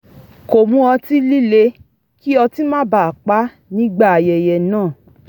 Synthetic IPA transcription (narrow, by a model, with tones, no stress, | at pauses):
ko˨mũ˦ɔ˧ti˦li˦le˧ | ki˦ɔ˧ti˦mãː˦ba˨a˨k͡pa˨˦ | nĩ˦ɡ͡ba˦˨a˨jɛ˨jɛ˨nãː˦˨